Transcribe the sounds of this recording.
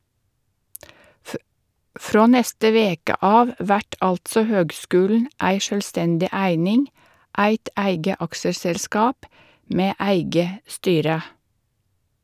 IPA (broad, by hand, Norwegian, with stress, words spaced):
ˈfɾoː ˈnɛstə ˈʋeːkə ˈɑːʋ ˈʋæʈ ˈɑltsɔ ˈhøːɡˌskʉːlɳ̩ ˈæɪ ˈʃøːlˌstɛndɪ ˈæɪnɪŋ ˈʔæɪt ˈæɪɡə ˈɑksəsɛlˌskɑːp ˈmeː ˈæɪɡə ˈstyːɾə